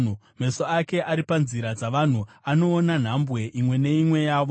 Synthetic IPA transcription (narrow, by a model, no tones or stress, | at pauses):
me̞so̞ake̞ʔaɾipanziɾad͡zaʋan̤uano̞ːnan̤ambwe̞ʔimwe̞ne̞imwe̞jaːʋo